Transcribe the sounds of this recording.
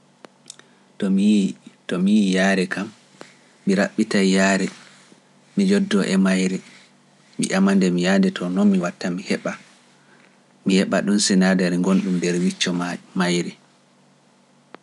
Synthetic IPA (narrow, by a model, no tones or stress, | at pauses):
tɔmitɔmijijaːɾɛkamː | iɾaɓːitajjaːɾɛ | mid͡ʒɔdːɔʔɛmajɾɛ | mḭʔamandɛmijandɛtʰɔnɔmːiwatːamihɛɓa | mihɛɓa̰ɗunsinadaɾŋɡonɗumdɛɾwit͡ʃːɔmajɾɛ